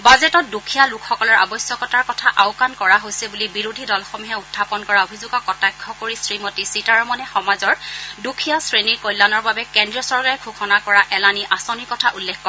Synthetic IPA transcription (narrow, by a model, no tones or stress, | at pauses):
bazɛtɔt̚dukʰijalukʰxɔkɔlɔɹa̰bɔsjɔkɔtaɹkɔtʰaʔawkankɔɹaɦojsɛbulibiɹodʱidɔlxɔmuɦɛutʰːapɔnkɔɹaobʱizʊɡɔkɔtajkʰːɔkoɹisɹimɔtisitaɹɔmɔnɛxɔmazɔɹdukʰijasɹeniɹkɔjlːanɔɹbabɛkɛndɹiɔsɔɹkaɹɛkʰukʰɔnakɔɹaʔɛlaniʔasɔniɹkɔtʰaʔulːɛkʰkːɔɹɛ